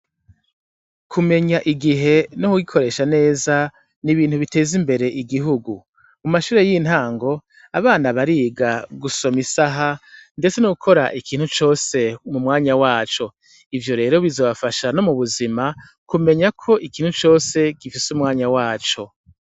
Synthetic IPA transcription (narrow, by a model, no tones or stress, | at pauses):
kʰume̞ɲaʔiɡiɦe̞nokuɡikʰo̞ɾe̞ːʃane̞ːza | niβiːn̥huβite̞ːzimbe̞ɾe̞ʔiɡiɦuɡu | muumaʃuːɾejin̥haːŋɡo̞ | aβaːnaβaɾiɡaɡuso̞misaɦande̞t͡se̞noɡukʰo̞ɾaʔikʰiːnhut͡ʃo̞ːse̞mumŋaːɲawaːt͡ʃo̞ | ivjo̞ɾe̞ːɾo̞βizo̞βafaʃano̞muβuzima | kume̞ɲakʰo̞ʔikiːn̥hut͡ʃo̞ːse̞ɡ̥ifisumŋaːɲawaːt͡ʃo̞